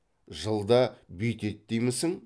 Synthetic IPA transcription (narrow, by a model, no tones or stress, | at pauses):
ʒəlˠd̪ɑbijt̪e̞t̪ːejmɪsɪŋ